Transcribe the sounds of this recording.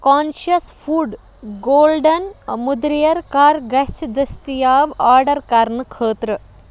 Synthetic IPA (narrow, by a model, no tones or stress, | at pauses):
kaːnʃɐsfʰuːɖ | ɡoːlɖɐnmud̪ɾijɐɾkaːɾɡɐt͡ʃd̪ɐst̪ijaːʋaːɾɖɐɾkaɾnɐkʰəːt̪ɾɐ